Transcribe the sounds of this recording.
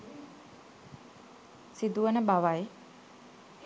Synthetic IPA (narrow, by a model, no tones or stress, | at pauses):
sid̪uʋənəbaʋaj